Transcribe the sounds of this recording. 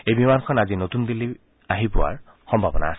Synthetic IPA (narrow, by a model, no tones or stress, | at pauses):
ejbimankʰɔnazinotund̪ili | aɦipʊwa̰ɹ | xɔmbʱabɔna̰as